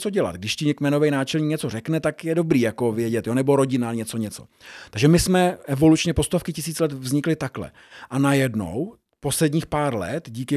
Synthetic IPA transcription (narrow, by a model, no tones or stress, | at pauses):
t͡soɟɛla̰t̪ɡdɪʃcɪɲɛkmɛno̞vɛjnaːt͡ʃɛlɲiːkɲɛt͡so̞rɛknɛt̪akjɛdo̞bɾiːjako̞vjɛɟɛt̪joːnɛbo̞ɾo̞ɟɪnaɲɛt͡so̞ɲɛt͡so̞̰t̪aɡʒɛmɪsmɛʔɛvo̞lut͡ʃɲɛpo̞st̪ofkɪcɪsiːt͡slɛt̪vzɲɪklɪt̪aklɛ̰ | ʔanajɛdno̞̰w | po̞slɛdɲiːxpaːɾlɛ̰t̪ɟiːkɪ